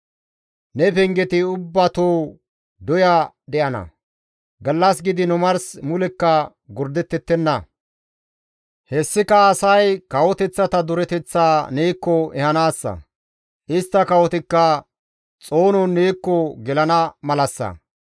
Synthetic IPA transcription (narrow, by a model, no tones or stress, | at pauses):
nɛpɛŋɡɛt̪ɪʊbːɐt̪oː | d̪ɔjɐ | d̪ɛʔɐnɐ̰ | ɡɐlːɐs̬ɡɪd̪ɪnʊmɐɾsmʊlɛkːɐ | ɡʊɾd̪ɛt̪ːɛt̪ːɛnːɐ | hɛsːɪkɐːsɐjkɐwɔt̪ɛt͡sːɐt̪ɐd̪ʊɾɛt̪ɛt͡sːaːneːkːɔɛhɐnaːsːɐ̰ | ʔɪst̪ːɐkɐwɔt̪ɪkːɐ | t͡sʼo̞ːnɔnːeːkːɔɡɛlɐnɐmɐlɐsːɐ̰